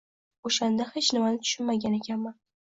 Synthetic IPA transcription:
oʃand̪ahet͡ʃnɪmanɪt̪ʰʊ̥ʃʊnmaɡʲane̞kʲʰanma

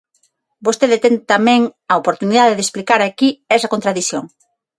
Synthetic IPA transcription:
bost̪eðet̪ɛŋt̪amɛ̃ŋɐopoɾt̪uniðaðeðesplikaɾakiɛsɐkont̪ɾaðiθjoŋ

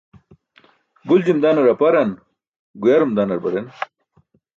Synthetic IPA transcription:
ɡuld͡ʑimd̪aːnɐɾɐpɐɾɐn | ɡujaɾumd̪aːnɐɾbɐɾen

